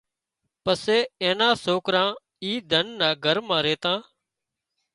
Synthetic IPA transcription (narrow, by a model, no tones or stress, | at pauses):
pəseːẽːnãːsoːkɾãː | iːd̪ʱənːaːɡʱəɾmãːɾeːt̪ãː